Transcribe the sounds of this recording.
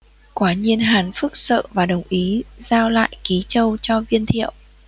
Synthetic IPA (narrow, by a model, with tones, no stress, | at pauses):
kwaː˨˦ɲi˧ənɦaː˨˩nfɨ˦˥k̚sə̰ː˧˨vaː˨˩ɗə˨˩wŋ͡mʔi˨˦zaː˧wla̰ː˧˨jki˨˦t͡ɕə˧wt͡ɕɔ˧vi˧ənt̪ʰḭ˧˨əwʔ